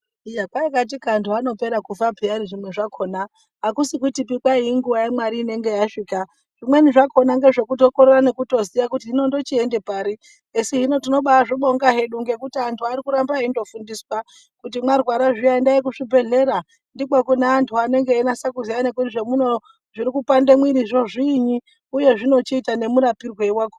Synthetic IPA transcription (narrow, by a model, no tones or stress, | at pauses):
ijakwaikat̬ikːntʰuano̞pe̞ɾakufapianiʐimwe̞ʐakʰo̞na | ɦakusik̬uitip̬ikwaiːŋɡuʋajemwaɾiːne̞ŋɡe̞jaʂika | ʐ̥imwe̞niʐakʰo̞naŋɡe̞ʐe̞kuto̞koɾerane̞kuto̞sijakutiɦino̞ndo̞t͡ʃiendepaːɾi | esiɦino̞tino̞ɓaʐiɓo̞ŋɡaɦe̞ɗuŋɡe̞kutiantʰuaɾikuɾambaiindo̞fundiswa | kut̬imwarwaɾaʐijaindaikuʂibʱe̞ɮe̞ɾa | ndikakuneːntʰuane̞ŋɡeːnasakuziane̞kutiʐe̞muno̞ | ʐiɾikupande̞mwiɾiʐo̞ʐiɲi | uje̞ʐino̞t͡ʃiitane̞muɾapirwe̞iwaːko